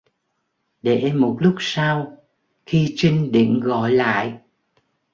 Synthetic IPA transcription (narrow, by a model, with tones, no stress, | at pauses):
ɗe˧˩˨mo˨˩t̚lʊ˦˥k͡p̚saː˧w | xi˧t͡ɕï˧ŋ̟ɗḭ˧˨əŋɣɔ̰˧˨jla̰ː˧˨jʔ